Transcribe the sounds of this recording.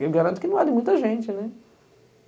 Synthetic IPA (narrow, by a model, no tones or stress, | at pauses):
eɡaɾɐ̃nt̪ʊkɪnɐ̃w̃adɪmũj̃t̪ɐʒẽnt͡ʃɪnɛ